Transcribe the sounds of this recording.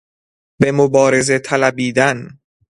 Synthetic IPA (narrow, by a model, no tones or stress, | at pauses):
be̞mobɒːɾe̞ze̞t̪ʰælæbiːd̪æn